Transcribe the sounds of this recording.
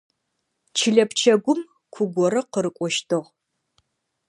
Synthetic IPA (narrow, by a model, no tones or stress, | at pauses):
t͡ʃʰɨɮɐpt͡ʃʰɐɡʷʊm | kʷʰʊɡʷɔɾɐqəɾɨkʷʼɔʃtʰɨʁ